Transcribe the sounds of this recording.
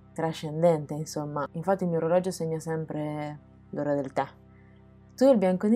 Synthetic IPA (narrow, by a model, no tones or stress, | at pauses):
t̪ɾaʃend̪ɛnt̪einsomːaiɱfat̪ːilmioɾelɔd͡ʒoseɲːasɛmpɾe | loɾed̪elt̪a | t̪uelbjaŋkon